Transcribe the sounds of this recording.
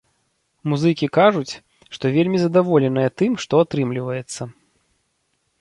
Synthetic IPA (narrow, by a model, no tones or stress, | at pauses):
muzɨkʲikaʐut͡sʲ | ʂt̪ɔvʲelʲmʲizɐd̪avɔlʲɛnɐjɐt̪ɨmʂt̪ɔat̪ɾɨmlʲivɐjɛt̪sːɐ